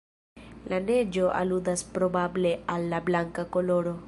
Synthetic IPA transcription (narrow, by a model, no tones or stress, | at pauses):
lane̞d͡ʒo̞ʔa̰ludaspɾo̞bable̞alːablaŋkako̞lo̞ɾo̞